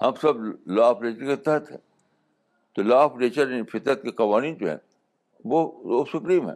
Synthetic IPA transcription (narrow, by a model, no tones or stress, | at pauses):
hɐmsɐblaːfɾeːt͡ʃəɾket̪ɐt̪ʰɦɛ̰̃ː | t̪olaːfɾeːt͡ʃəɾfɪt̪nət̪̚keqɐʋaːniːnd͡ʒoɦɛ̰̃ː | ʋoosʊkɾiːmɦɛ̰̃ː